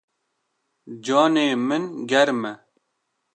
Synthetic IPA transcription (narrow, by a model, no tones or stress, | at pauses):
d͡ʒɑːneːmɨnɡɛɾmɛ